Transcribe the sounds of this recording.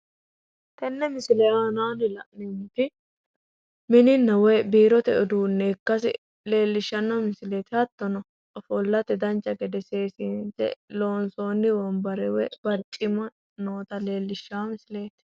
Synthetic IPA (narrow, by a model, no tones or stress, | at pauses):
t̪ɛnːɛmɪsɪlɛaːnaːnɪlɐʔnɛmɪt̪ɪ | mɪnɪnːɐwɛjbiːɾɔt̪ɛʔʊd̪uːnːɛːkːɐsɪ̰ | le̞ːlːɪʃːɐnːɔmɪsɪlet̪ɪhɐt̪ːɔnɔ | ɔfɔlːɐt̪ɛd̪ɐnt͡ʃʼːɐɡɛd̪ɛse̞ːsiːntɛ̰lo̞ːnsoːnːɪwɔmbɐɾɛwɛbɐɾt͡ʃʼɪmɐ | noːt̪ɐle̞ːlːɪʃːaːmɪsle̞ːt̪